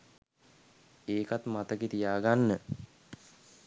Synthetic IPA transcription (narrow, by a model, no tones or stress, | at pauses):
eːkat̪mat̪əɡet̪ijaːɡanːə